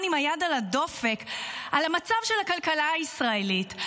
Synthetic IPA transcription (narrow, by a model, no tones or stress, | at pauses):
nimajadalado̞fe̞kʔalamat͡savʃelakalkalaaisʁaelit